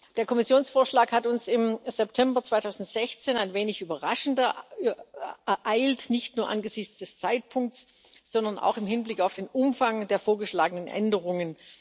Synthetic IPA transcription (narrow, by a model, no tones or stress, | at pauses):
d̥eːɐkʰɔmɪsjoːnsfoːɐʃlaːkhatʊnsɪmz̥ɛptʰɛmbɐt͡sv̥aɪtʰaʊzn̩tz̥ɛçt͡seːnaɪnveːnɪçʔyːbɐʁaʃn̩t | ʔaɪltnɪçtnuːɐʔa̰nɡəzɪçt͡sd̥ɛst͡saɪt̚pʰʊŋk̚t͡s | z̥ɔndɐna̰ʊxɪmhɪnblɪkaʊfd̥eːnʔʊmfaŋdeːɐfoːɐɡəʃlaːɡənənʔɛ̰ndəʁ̞ʊŋən